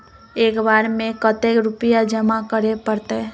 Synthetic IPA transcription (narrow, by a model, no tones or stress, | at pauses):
eːkbaːɾmẽkət̪ekɾʊpijad͡ʒəmakəɾepəɾt̪e